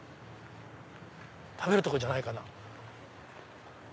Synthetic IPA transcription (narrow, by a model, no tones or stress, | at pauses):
t̪ʰabe̞ɾɯ̟t̪oko̞d͡ʑanaikana